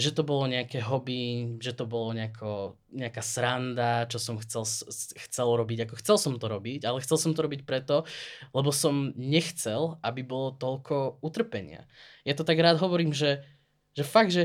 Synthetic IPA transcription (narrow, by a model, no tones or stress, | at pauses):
ʒɛt̪ɔbɔlɔɲɛakɛɦɔbiʒɛt̪ɔbɔlɔɲɛakʰɔ | ɲɛakaːsɾand̪at͡ʃɔsɔmxt͡sɛlsxt͡sɛlɾɔbiɟakɔxt͡sɛlsɔmt̪ɔɾɔbiɟalɛxt͡sɛlˠsɔmt̪ɔɾɔbic̚pɾɛt̪ɔlɛbɔsɔmɲɛxt͡sɛlabibɔlɔt̪ɔʎkʰɔut̪r̩pɛɲɪa̰jat̪ɔt̪aɡɾaːd̪ɦɔʋɔɾiːmʒɛ | ʒɛfaɡ̪̚ʒɛ